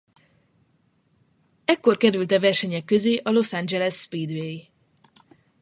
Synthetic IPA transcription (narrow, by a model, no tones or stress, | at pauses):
ɛkːo̞rkɛɾylt̪ɛvɛrʃɛɲɛkːø̞zeːʔɒlo̞sand͡ʒɛlɛsːpiːd̪ʋei